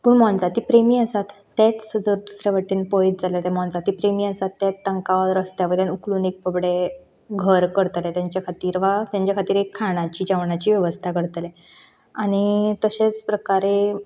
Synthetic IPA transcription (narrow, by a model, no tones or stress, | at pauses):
puɳmɔ̃nd͡zat̪iːpɾemiːəsat̪ːat͡sd͡zəɾd̪usɾaʋaʈːiːnpoit̪̚d͡zaleat̪ɛm̤ɔ̃nd͡zat̪iːpɾemiːəsat̪ːjat͡s̪ːəŋkaʋaɾəst̪jaʋəd̪janukluːnek̚pəbɽe | ɡʱəɾkəɾt̪let̪jaɲt͡ɕjakʰat̪iːɾʋat̪jãɲt͡ɕjakʰat̪iːɾɦekʰːaɽ̃at͡ɕiːd͡ʑaʋɳat͡ɕiːʋjəʋəst̪ʰakəɾt̪le | aɽ̃it̪əɕet͡spɾəkaɾe